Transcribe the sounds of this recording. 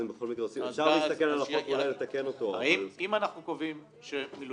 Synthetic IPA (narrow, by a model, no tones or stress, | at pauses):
embeχo̞lmikʁeot͡simefʃaʁliːst̪akenalaχotulajlet̪akeno̞t̪o̞iimanaχnukovim | ʃemilu